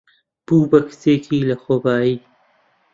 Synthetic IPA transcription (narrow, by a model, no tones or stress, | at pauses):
puːbɐkseːkʰiːlɐxobaːi